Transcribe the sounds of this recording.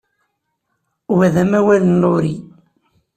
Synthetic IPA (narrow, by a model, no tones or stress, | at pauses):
wæðæmæwælənloɾi